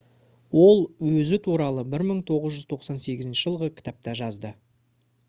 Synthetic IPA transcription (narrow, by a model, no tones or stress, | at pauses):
wo̞lˠwɵzɪt̪ʰuɾɑlˠəbɪɾməɴt̪ʰo̞ʁəzʒʏzt̪ʰo̞qsɑnse̞ɡʲɪzɪnʃɪʒəlˠʁəkʲʰɪ̥t̪ap̚t̪ɑʒɑzd̪ə